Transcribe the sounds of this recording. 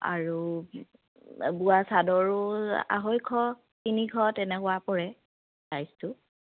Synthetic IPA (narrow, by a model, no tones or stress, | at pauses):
a̰ɹu | buasadɔɹʊa̰ɦojkʰɔ | kinikʰɔtɛnɛkʊwapɔɹɛ | tajstʊ